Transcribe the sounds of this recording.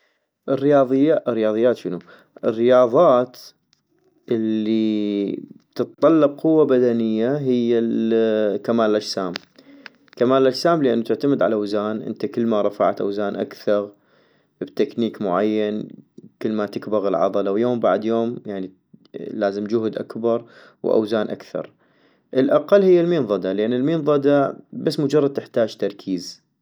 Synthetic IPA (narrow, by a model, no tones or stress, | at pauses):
ʔɪrːɪjɑːðˤɨjːaʔrːɪjɑːðˤɨjːaːt̪ʃənu | ʔɪrːɪjɑːðˤɑːt̪ | ʔɪlːi | bt̪ɨt̪t̪ˤːɑlːɪb̚qʊwːabad̪anɪjːaɦɪjːalkamaːllʔad͡ʒsaːm | kamaːllʔad͡ʒsaːmlɪʔanːut̪ɪʕt̪amɪd̪ʕa̰laʔawzaːnʔɪ̰nt̪akəlːmaɾˤɑfa̰ʕt̪ʔa̰wzaːnʔa̰kθɑɣ | bt̪akniːkmʊʕajːankəlːmat̪ɪkbaɣɪlʕɑ̰ðˤɑlawjoːmbaʕd̪joːmjaʕni | laːzɪmd͡ʒʊhd̪ʔa̰kbɑɾˤ | wʔa̰wzaːnʔa̰kθɑ̰ɾˤ | ʔɪlʔaqɑlːhɪjːalmiːnðˤɑd̪alʔanːɪlmiːnðˤɑd̪abasːmʊd͡ʒɑrˤːɑd̪̚t̪ɪħt̪aːd͡ʒt̪ɑɾˤkʰiːz